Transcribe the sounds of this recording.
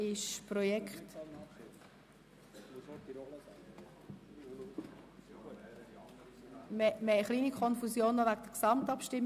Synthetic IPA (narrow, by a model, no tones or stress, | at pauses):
ɪʃprɔjɛkχt | mɛməχliːnikʰɔnfusjoːnːɔvæɡd̥əksɑmtɑpʃtɪmː